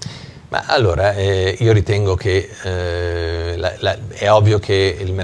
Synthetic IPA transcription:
mʔa̰ʔalːoːɾʔaɛiːoɾit̪ɛŋɡokʰe | la̰laɛɔvːjokʰeilme

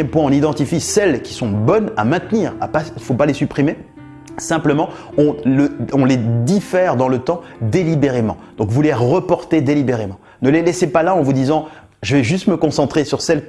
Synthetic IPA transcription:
ɛmpwɛ̃ɔ̃nid̪ɑ̃t̪ifisɛlkʲi̥sɔ̃bɔnamɛ̃t̪niːʁa̰paifopalesypχime | sɛ̃pləmɑ̃ | ɔ̃ləɔ̃led̪ifɛʁd̪ɑ̃lət̪ɑ̃d̪elibeʁemɑ̃d̪̥ɔ̃kvuleʁəpɔʁt̪ed̪elibeʁemɑ̃ | nəlelɛsepalaɑ̃vud̪izɑ̃ | ʒəvɛʒyst̪məkɔ̃sɑ̃t̪χesyʁsɛl

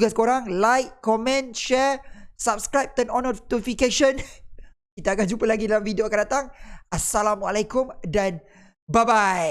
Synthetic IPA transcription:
ɡasə̥koɾaŋlajkkːɔmɛ̃nʃɛɹsap̚skɾajp̚t̪ənɔnɔt̪ufikeʃən | kit̪aːkand͡ʒupəlaɡidalamfidioakandat̪aŋasalamualakʊmdan | babaj

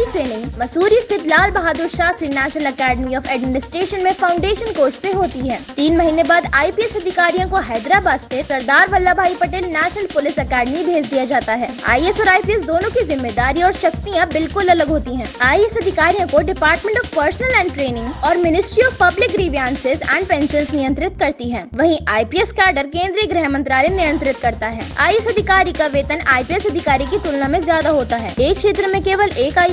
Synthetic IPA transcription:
iʈɾeːnɪ̃ŋɡmɐsuːɾist̪ʰɪt̪ʰlaːlbɐɦaːd̪ʊɾʃaːsinɛːʃnəlɐkɛːɖmiɔːfɛːɖmɪnɪsʈɾeːʃənmẽfaːʊ̃ɳɖeːʃənkoːɾsseɦoːt̪iɦɛːt̪iːnmɐɦiːnẽbaːd̪aːipiɛsɐd̪ʱɪkaːɾijõkoɦɛːd̪ɾabaːssesɐɾd̪aːɾʋɐlːabʱaːipɐʈeːlnɛːʃnəlpʊlɪsɐkɛːɖmibʱeːd͡ʒd̪ijad͡ʒaːt̪aɦɛ̰ːa̰ːiɛsɔːɾaːipiɛsd̪oːnõkizɪmːeːd̪aːɾĩɔːɾʃɐk̚t̪ijãbɪlkʊlɐləɡɦoːt̪iɦɛ̃ːaːiɛsɐd̪ʱɪkaːɾijõkoɖɪpaːɾʈmẽɳʈɔːfpəɾsnəlɛ̃ːɳɖʈɾeːnɪ̃ŋɡɔːɾmɪnɪsʈɾiɔːfpɐblɪkɾiːʋijãːnsɪzɛ̰̃ːɳɖ̚pɛ̃ːnʃənsnɪjə̃nt̪ɾɪt̪kɐɾt̪iɦɛ̃ːʋɐɦĩʔʔaːipiɛskaːɾɖəɾkẽːnd̪ɾijəɡɾɛɦəmə̃nt̪ɾaːlinɪjə̃nt̪ɾɪt̪kɐɾt̪aɦɛːa̰ːiɛsɐd̪ʱɪkaːɾikaʋeːt̪ənaːipiɛsɐd̪ʱɪkaːɾikit̪uːlnamẽzjaːd̪aɦoːt̪aɦɛːeːkʃeːt̪ɾəmẽkeːʋəlʔeːkaː

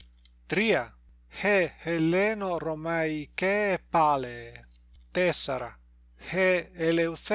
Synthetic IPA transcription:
t̪ɾia | hehelenoromajkepale | t̪esaɾa̰ | heelewθ

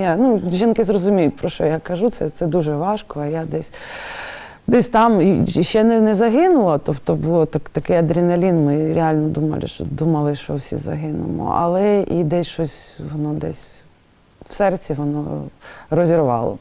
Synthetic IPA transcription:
januʒʲinkɪzrɔzʊmʲijʊt̚ʲpɾɔʃt͡ʃɔjakɐʒut̪sɛt̪sɛd̪uʒɛʋɑʃkɔɐjad̪ɛsʲ | d̪ɛsʲt̪ɑmiʃt͡ʃɛnɛnɛzɐɦɪnʊlˠɐt̪ɔpt̪ɔbʊlˠɔt̪ɐkt̪ɐkɛjɐd̪ɾʲinɐlʲinmɪɾʲealʲnɔd̪umɐ̰lʲˠɪ̰ʃɔ̰d̪umɐlˠɪʃt͡ʃɔwsʲḭzɐ̰ɦɪnʊ̰mɔ̰ʔɐ̰lˠɛʔid̪ɛsʲʃɔsʲʋɔnɔd̪ɛ̰sʲ | wsɛrtt͡sʲiʋɔnɔ̰rɔzʲiɾʊʋɑ̰lˠɔ̰

